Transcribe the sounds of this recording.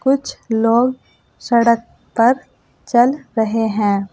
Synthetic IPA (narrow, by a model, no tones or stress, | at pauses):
kʊt͡ʃʰloːɡ | sɐɽək̚ | pɐɾ | t͡ʃɐlɾəɦeɦɛ̃ː